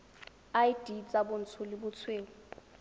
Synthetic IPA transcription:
ajd̥ʱit͡sʼabʊn̩t͡sʰulibʊt͡sʰweːlɔ

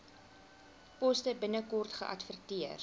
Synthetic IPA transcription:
pɔstəbənəkɔrtχə̰ʔɐ̰tfərtiər

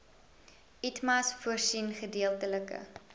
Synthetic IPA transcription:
itmɐsfuərsinχədiəlˠtələkə̰

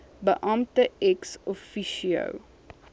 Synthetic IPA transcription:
bəʔɐmtəɛksɔfiʃiə̰w

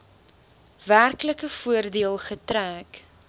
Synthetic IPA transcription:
værkləkəfuərdiəlˠχətræːk

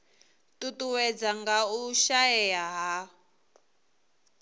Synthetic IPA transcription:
tutuwɛd͡zaŋɡauʃaɛjaɦa

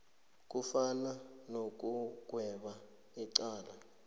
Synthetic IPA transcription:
k̬ʼufananok̬ʼuɡ̥̬ʱwɛɓa | iǀaːla

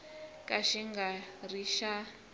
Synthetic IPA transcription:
kʼaʃiŋɡariʃa

